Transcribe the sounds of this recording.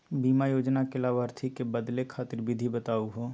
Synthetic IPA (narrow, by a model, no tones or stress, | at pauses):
biːmajoːd͡ʒnakɪlaːʋəɾt̪ʰikebəd̪lekʰaːt̪ɪɾbɪd̪ʱibət̪aːuɦoː